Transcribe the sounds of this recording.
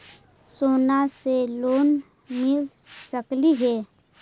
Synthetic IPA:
soːnaseloːn | mɪl | səkliɦɛː

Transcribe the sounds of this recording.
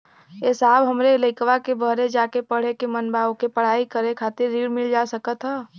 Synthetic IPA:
ɪsaːbɦəmɾeləɪkʋakebəɦɾed͡ʒaːkepəɽ̤ekemənbaːokepəɽ̤aːikəɾekʰaːt̪ɪɾːiːɽmɪld͡ʒasəkət̪ɦɛː

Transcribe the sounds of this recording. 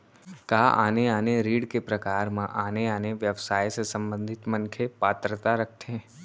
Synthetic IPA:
kaʔa̰neaneɾiɽkepɾəkaɾmã̰ʔaneaneʋjəʋsajsesəmbə̃nd̪ʱit̪mənkʰepat̪ɾət̪aɾək̚ʰt̪ʰẽ

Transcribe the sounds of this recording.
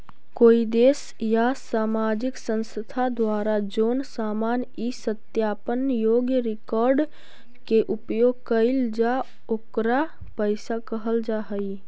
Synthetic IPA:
koːid̪eːs | jasaːmaːd͡ʒɪksə̃nsət̪ʰad̪waːɾad͡ʒoːnsaːmaːn | isət̪jaːpənjoːɡjəɾɪkɔːɾɖ | keʔʊpjoːɡkəɪld͡ʒa | oːkɾa | pəɪsakəɦəld͡ʒaɦəi

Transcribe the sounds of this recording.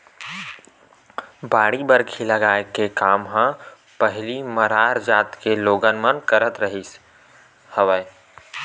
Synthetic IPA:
baːɽibəɾkʰiləɡaːekekaːmɦə̃ | pəɦliməɾaːɾd͡ʒaːt̪keloːɡənmənkəɾət̪ɾəɦis | həʋəj

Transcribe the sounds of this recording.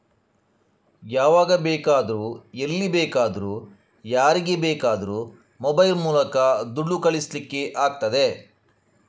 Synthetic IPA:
jaːʋaːɡɐbɛːkaːd̪ɐɾuːelːibɛːkaːd̪ɐɾuː | jaːɾiɡe̞bɛːkaːd̪ɐɾuː | mobɐjlmuːlɐkɐd̪uɖːukɐɭislikːe̞ʔaːk̚t̪ɐd̪e̞

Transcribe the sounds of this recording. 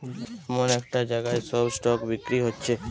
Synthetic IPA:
monɛkʈad͡ʑaɡaesɔbsʈɔkbikɾiɦotːt͡ɕʰe

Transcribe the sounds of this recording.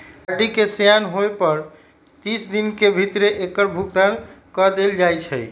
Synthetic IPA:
əɖikesjanɦoepəɾ | t̪isd̪inkebʱit̪ɾeʔekəɾbʱuɡ̚t̪ankɔd̪eld͡ʒajt͡ʃʰəj

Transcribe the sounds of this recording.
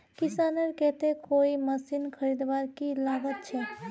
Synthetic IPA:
kɪsaːnəɾkɛt̪ekoːiməsinkʰəɾid̪ʋaːɾkilaːʋət̪̚t͡ʃʰɛ

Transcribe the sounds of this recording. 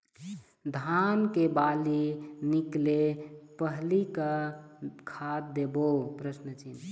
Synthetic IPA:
d̪ʱankebaliniklepəɦlika | kʰad̪̚d̪ebopɾəsnət͡ʃin

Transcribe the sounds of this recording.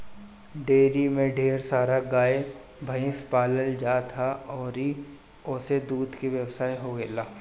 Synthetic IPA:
ɖeːɾimẽɖʱeːɾsaːɾaɡaːe | bʱɐɪ̃spaːləld͡ʒaːt̪ʰaɔːɾi | ʊːsed̪uːd̪ʱkiʋjəwsaːjɦoɡeːlaː

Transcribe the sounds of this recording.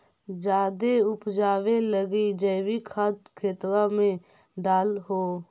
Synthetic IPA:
d͡ʒaːd̪eʊpd͡ʒaːʋeləɡid͡ʒəːʋikʰat̪kʰeːt̪wamẽ | ɖaːlɦoː

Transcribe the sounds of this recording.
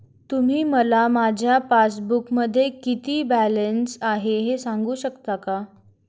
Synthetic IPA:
t̪um̤iːməlamad͡ʑʱjafasbukməd̪ʱːjekit̪iːbælənsaɦeɦesaŋɡuːɕəkt̪aka

